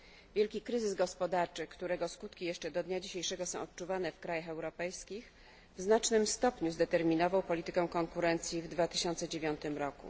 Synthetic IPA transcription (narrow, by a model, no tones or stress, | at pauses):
vʲjɛlkʲikɾɘzɘzɡɔspɔd̪aɾt͡ʂɘkt̪uɾɛɡɔskut̪kʲijɛʂt͡ʂɛd̪ɔd̪ɲad͡ʑiɕejʂɛɡɔsɔ̃w̃ɔt̪̚t͡ʂuvan̪ɛfkɾajaxɛwɾɔpɛjskʲix | vznat͡ʂnɘmst̪ɔpɲuzd̪ɛt̪ɛɾmʲinɔvawpɔlʲit̪ɘkɛ̃w̃kɔŋkuɾɛnt̪sʲjivd̪vat̪ɘ̥ɕɔnt̪sɛd͡ʑevʲjɔnt̪ɘmɾɔkṵ